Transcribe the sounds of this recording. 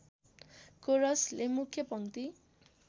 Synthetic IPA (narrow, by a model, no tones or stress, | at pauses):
koɾʌslemukʰjʌpʌŋt̪i